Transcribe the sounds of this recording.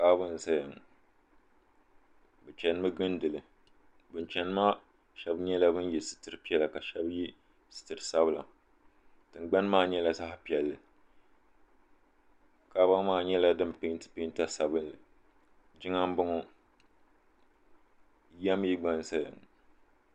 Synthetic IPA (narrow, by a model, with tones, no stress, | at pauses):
kaː˦bɨ˦n˨sa˦ja˨ŋ | bɨ˨t͡ʃɛ˨nɨ˦mɨ˦ɡɨ˦ndɨ˨lɨ˨ | bɨ˨˦nt͡ʃɛ˦nɨ˦ma˦ | ʃɛ˦bɲɛ˦la˦bɨ˦n˦jɛ˨sɨ̥˨tɨ˨ɾɨ˦pi˦ɛ˦la˨ka˨ʃɛ˦bji˦ | sɨ̥˨tɨ˨ɾɨ˨sa˦bɨ˦la̰˨ | tɨ˨n˦ɡ͡ba˦n˦maː˦ɲɛ˦la˦sa˦hpi˨ɛ˨lːɨ˨ | kaː˨˦ba˦ŋ˦maː˦˨ɲɛ˦la˦dɨ˦mpɪ˦ntɨ̥˨pɪ˦n˦ta˦sa˨bɨ˦nlɨ˨ | d͡ʒɪ˦ŋa˦m˦bʊ˦ŋɔ˦ | ja˦m˦ji˦ɡ͡ba˦n˦sa˦ja̰˨ŋ